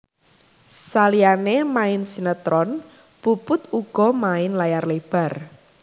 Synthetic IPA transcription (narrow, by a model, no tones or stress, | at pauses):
salianemaɪnsinət̪ɾʔɔn | pupʊt̪uɡ̥ɔ̤maɪnlajarleb̥a̤r